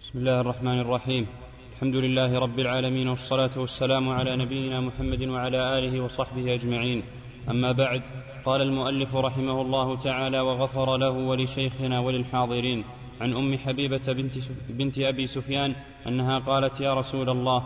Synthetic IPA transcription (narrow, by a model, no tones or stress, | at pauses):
bɪsmɪlːaːhɑrˤːɑħmaːnɑrˤːɑħiːm | ʔalħamd̪ʊlɪlːaːhɪɾˤɑbːɪlʕaːlamiːnwɑsˤːɑlaːt̪ʊwasːalaːmʊʕalaːnabɪjːɪnaːmʊħamːad̪ɪnwaʕalaːʔaːlɪhɪwɑsˤɑħbɪhɪʔad͡ʒmaʕiːn | ʔamːaːbaʕd̪ | qɑːlalmʊʔalːɪfʊɾˤɑħɪmahʊlˤːɑːhʊt̪aʕaːlaːwaɣafɑɾˤɑlahʊwalɪʃajxɪnaːwalɪlħɑːðˤɨɾiːn | ʕanʔʊmːɪħabiːba | bɪnt̪ɪʔabiːsʊfjaːn | ʔanːaɦaːqɑːlat̪jaːɾˤɑsuːlalˤːɑːh